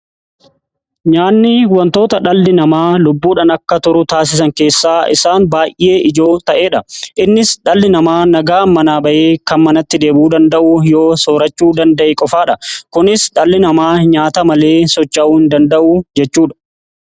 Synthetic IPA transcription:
ɲaːnːɪwɐnt̪o̞ːt̪ɐᶑɐlːɪnɐmaːlʊbːuːᶑɐnɐkːɐt̪ʊɾʊt̪aːs̬ɪs̬ɐŋke̞ːsːaːɪ̰saːnbaːjʔʔe̞ːʔɪd͡ʒo̞ːt̪ɐʔe̞ːᶑɐʔɪnːɪsᶑɐlːɪnɐmaːnɐɡaːmːɐnaːbɐʔeːkɐnmɐnɐt̪ːɪd̪e̞ːbuːd̪ɐnd̪ɐʔʊjo̞ːsoːɾɐt͡ʃːuːd̪ɐnd̪ɐʔeːkʼɔfaːᶑɐkʊnɪsᶑɐlːɪnɐmaːɲaːt̪ɐmɐle̞ːsɔt͡ʃːɐʔuːhɪnd̪ɐnd̪ɐʔuːd͡ʒɛt͡ʃːuːᶑɐ̥

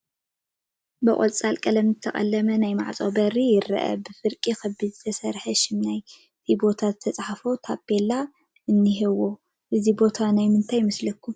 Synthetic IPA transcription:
bɨkʼolt͡sʼalkʼɐlɐmzɨt̪ʰɐχʼɐ̰lːɐmɐnajma̰ʕt͡sʼobɐɾijɪɾɐ̰ʔɐ̰bɨfɨɾkʼixɐbːɨzɨt̪ʰɐsɐɾħɐʃɪmnaj | t̪ʰibo̞t̪ʰazɨt̪ʰɐt͡sʼħafo̞t̪ʰabelːa | ʔɨnːiɦɨwo̞ | ʔɨzibo̞t̪ʰanajmɨnt̪ʰajmɐslɐkʰːu

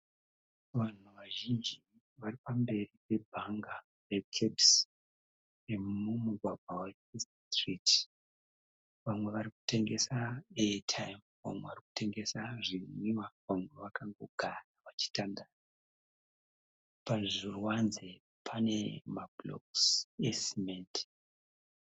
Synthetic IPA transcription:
ʋan̤uʋaʒind͡ʒi | ʋaripambe̞ripe̞bʱaŋɡa | re̞kʰebs | emumuɡʱwaɡʱwawe | is | triti | ʋamwe̞ʋaɾiku̥te̞ŋɡe̞saetʰajm | ʋa̰mweʋariku̥te̞ŋɡesaʐiɲiwaʋamwe̞ʋakaŋɡo̞ɡ̥ʱanaʋat͡ʃi̥tandan | paʐirwanze | pʰane̞mablo̰ksesiment

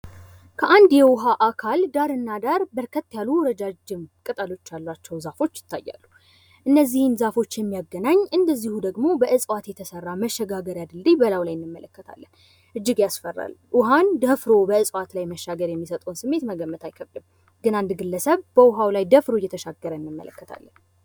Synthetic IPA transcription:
kʰəʔand̪jɛwʊɦaʔakʰald̪aɾɨnːad̪aɾbəɾkʰət̪ːjalːuwɾəd͡ʒad͡ʒɪmkʼɨt̪ʼəlo̞t͡ʃːjalːat͡ʃːɛwzafo̞t͡ʃːjɪ̥t̪ʰːajːa̰lːu | ʔɨnːəzːihɨnzafo̞t͡ʃːjɛmːijaɡənaɲːʔɨnd̪əzːihud̪əɡmo̞bəʔɨsʼwat̪jɛt̪ʰəsərːaməʃːɛɡaɡəɾjad̪ɨld̪ebəlawlajɪnːɨmːələkːət̪ʰa̰lːən | ʔɨd͡ʒːɪɡjasfərːa̰lʔʊɦand̪əfɾo̞bəɨsʼwat̪lajməʃːaɡəɾjɛmːisət̪ʼəwnsɨmːe̞t̪məɡəmːət̪ʰajkʰəβd̪ɨm | ɡɨnand̪ɡɨlːəsəβb̥əʊɦawlajd̪əfɾojːɛt̪ʰəʃaɡːəɾəɨnːɨmːə̰lə̰kːət̪ʰa̰lːən

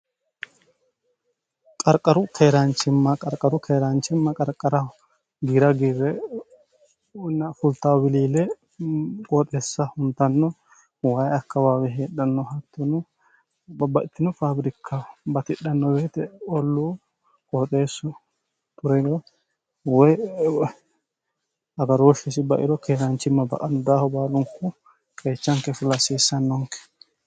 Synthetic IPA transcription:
kʼɐɾkʼːɐɾʊkʰeːɾɐnt͡ʃːɪmːɐkʼɐɾkʼːɐɾʊkʰeːɾant͡ʃːɪmːɐkʼɐɾkʼːɐɾɐ | ɡiːɾɐɡiːɾɛ | nːɐfʊlt̪ːaːwbɪliːlɛ | kʼoːt̪ʼe̞ːsːɐhʊnt̪ːɐnːɔ | wɐjɐkːɐwaːwɛɦeːɗɐnːɔɦɐt̪ːɔnʊ | bɐʔɪt̪ːɪnɔfabɾɪkʰːɐbɐt̪ɪɗːɐnːɔbeːt̪ɛɔlːu | kʼɔt̪ʼeːsːɔ | t̪ʊɾɛɾɔ | wɔj | ɐɡɐɾoːʃɛsɪbɐʔɪ̰ɾɔkʰeːɾɐnt͡ʃːɪmːɐbɐ̰kʼɐnːɔd̪aːhɔbaːlʊŋkʊ | kʼeːt͡ʃːɐŋkɛfʊlɐsiːsːɐnːɔŋkɛ̥

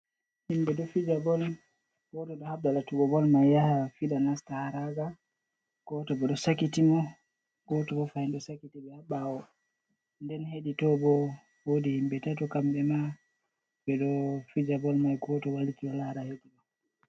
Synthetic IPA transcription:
himbɛɗɔfid͡ʒabɔl | kɔtɔɗɔhab̚dalatuɡɔbɔlmajːahafiɗanastahaɾaɡa | kɔtɔbɛɗɔsakitimɔ | kɔtɔkɔfahinɗɔsakitibɛhaɓawɔ | ndɛnheɗitɔbɔ | wodihimbɛtatɔkambɛma | bɛɗɔfid͡ʒabɔlmajkɔtɔwalkiwɔlaɾaheɗimɔ

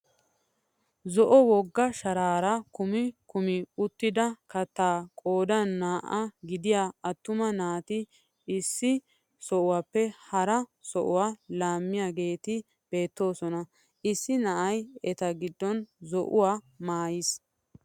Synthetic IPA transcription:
zɔʔɔwɔɡːɐʃɐɾaːɾɐkʊmɪkʊmɪʊt̪ːɪd̪ɐkɐt̪ːaːkʼoːd̪ɐnːaːʔɐɡɪd̪ɪjaːɐt̪ːʊmɐnaːt̪ɪ | ɪsːɪ | sɔʔʊwaːpːɛhɐɾɐsɔʔʊwaːlaːmːɪjaːɡe̞ːt̪ɪ | b̥e̞ːt̪ːo̞ːsɔnɐ | ʔɪsːɪnɐʔɐjɛt̪ɐɡɪd̪ːɔnzɔʔʊwaː | maːjɪs

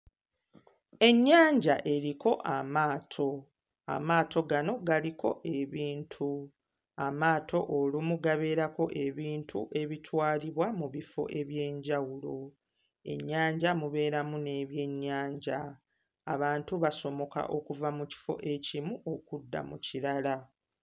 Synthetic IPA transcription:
e̞ɲːaːɲɟaʔe̞ɾiko̞ʔamaːtʰo̞ | a̰maːtʰo̞ɡano̞ɡalikʰo̞̰ʔe̞βiːntʰu | amaːtʰo̞ʔolimuɡaβe̞ːɾako̞ʔe̞βiːntʰuʔe̞βitʰwaːliβwamuβifo̞̰ʔe̞βje̞ːɲɟawulo̞ | e̞̰ɲːaːɲɟamuβe̞ːɾamune̞ːβje̞ɲːaːɲɟaː | βaːntuβaso̞mo̞ka̰ʔokuvamuci̥fo̞̰ʔe̞cimuʔo̞kudːa̰muciɾala

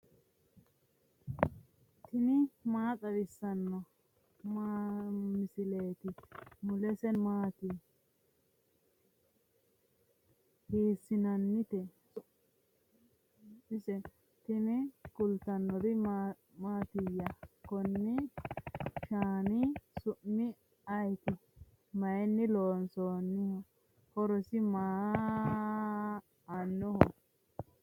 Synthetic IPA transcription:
t̪ɪnɪmaːt̪ʼɐɾɪsːɐnːɔ | mamɪsɪleːt̪ɪmʊlɛsɛnmaːt̪i | hiːsːɪnɐnːɪt̪ɛ | ɪsɛ | t̪ɪnɪkʊlt̪ːɐnːɔd̪ɪ | maːt̪ɪjːɐkɔnːɪ | ʃaːnɪsʊʔmɪ | ɐjt̪ɪ | mɐjɛnːɪloːnsoːnːɪhɔ | kɔɾɔsɪmaː | ɐnːɔhɔ

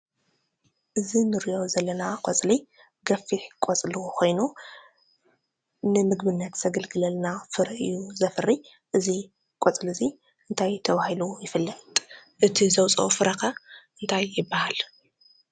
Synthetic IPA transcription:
ʔɨzinɨɾiʔo̞zɐlːɐnakʼot͡sʼli | ɡɐfːiħkʼɔt͡sʼlukʰo̞jnu | nɨmɨɡbɨnːɐt̪zɐɡɐlɡɨlɐlnafɨɾɐʔɨ̰jːuzɐfɨrːi | ʔɨzi | kʼot͡sʼlɨzi | ʔɨnt̪ʰajt̪ʰɐβahilujɪfɨlːɐt̪ʼʔɨt̪ʰizɐwt͡sʼɐ̰fɨɾɐxɐʔɨnt̪ʰajːɪbːahal

